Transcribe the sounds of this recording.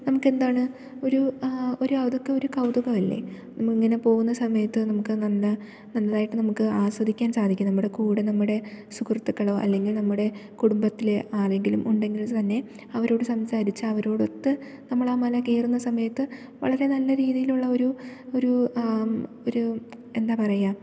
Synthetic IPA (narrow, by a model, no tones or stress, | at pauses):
nɐmukːe̞nd̪aːɳɨ | o̞ɾuo̞ɾuɐwd̪okːeo̞ɾukɐwd̪uɣɐmɐlːḛ | nɐmukːiŋːɐne̞po̞ːɣunːɐsɐmɐjɐt̪ːɨnɐmukːɨnɐlːɐ | nɐnːɐðaːjiʈːɨnɐmukːɨaːswɐd̪ʱikʲːaːnsaːd̪ʱikʲːumnɐmːuɽe̞kuːɽenɐmːuɽe̞sukrɐt̪ːukːɐɭo̞ːʔɐ̰lːe̞ŋɡilnɐmːuɽe̞kuɽumbɐt̪ːileʔaːle̞ŋɡilumʔuɳɖe̞ŋɡilt̪ɐnːe̞ | ɐʋɐɾo̞ːɽɨsɐmsaːɾit͡ɕːɨɐʋɐɾo̞ːɽot̪ːɨ | nɐmːɐɭaːmɐlɐke̞ːrunːɐsɐmɐjɐt̪ːɨ | ʋɐ̰ɭɐɾe̞nɐlːɐɾiːðijiluɭːɐo̞ɾuo̞ɾu | oɾu | e̞nd̪aːpɐrɐja